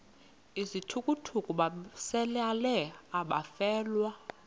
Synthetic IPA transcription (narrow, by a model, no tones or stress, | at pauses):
izitʰukʼutʰukʼuɓasɛlalɛaɓafɛːlwa